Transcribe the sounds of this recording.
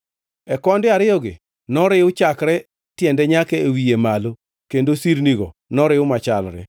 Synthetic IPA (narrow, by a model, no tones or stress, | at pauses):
ɛkɔndɪaɾɪɔɡɪ̰ | nɔɾɪʊt͡ʃakɾɛ | tjɛndɛɲakɛewiemalo | kendosiɾniɡɔ̰nɔɾɪʊmat͡ʃalɾɛ̰